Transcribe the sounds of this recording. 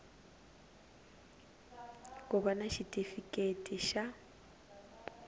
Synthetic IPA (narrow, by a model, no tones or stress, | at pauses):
kʼʊbanaʃitʼifikʼetʼiʃa